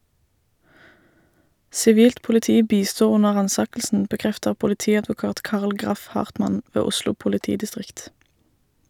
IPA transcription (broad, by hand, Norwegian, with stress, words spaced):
sɪˈʋiːlt pʊlɪˈtiː ˈbiːˌstuː ˈʊnə ˈʁɑːnˌsɑːkl̩sn̩ bəˈkʁɛftəʁ pʊlɪˈtiːɑdʋʊˌkɑːt ˈkɑːʁl ˈɡʁɑf ˈhɑːʁtmɑn ˈʋeː ˈʊslʊ pʊlɪˈtiːdɪˌstʁɪkt